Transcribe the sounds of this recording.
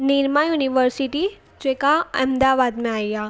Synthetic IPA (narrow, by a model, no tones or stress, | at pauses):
niɾmajuniʋəɾsiʈi | d͡ʑekaɛ̰md̪aʋad̪mẽaja